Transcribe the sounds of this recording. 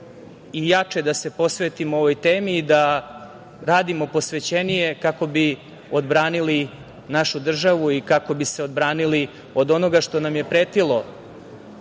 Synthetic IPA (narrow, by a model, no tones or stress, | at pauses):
ijat͡ʂed̪ase̞po̞sʋet̪imooʋo̞jt̪eːmiːd̪a | ɾaːd̪imo̞po̞sʋe̞t͡ɕe̞nije̞kako̞bi | o̞d̪bɾaːnili | naʃud̪r̩ʒaʋuikako̞bise̞od̪bɾaːnili | o̞d̪o̞no̞ɡaʂt̪o̞namjepɾeːt̪ilo̞